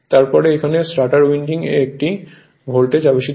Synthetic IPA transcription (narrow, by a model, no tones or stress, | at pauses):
t̪aɾpɔɾeekʰanesʈaʈaɾwiɳɖiŋḛːk̚ʈi | bʱolʈed͡ʑabeʃi